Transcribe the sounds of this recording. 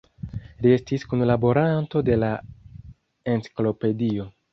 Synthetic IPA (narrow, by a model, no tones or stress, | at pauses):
lie̞stiskunlabo̞ɾanto̞de̞la | e̞nt͡si̥klo̞pe̞dio̞